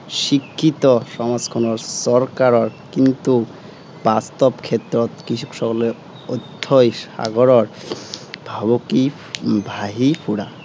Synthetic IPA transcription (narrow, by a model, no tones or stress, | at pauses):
ʃikʰːit̪ɔʃɔmad͡zkʰɔnɔɾsɔɾkaɾɔɾkint̪u | bast̪ɔpkʰet̪ːɾɔt̪kɾiʃʰu̥kʃɔkɔle | od̪ʱʰːojʃa̰ɡɔɾɔɾ | bʱaboki | bʱaɦipʰuɽa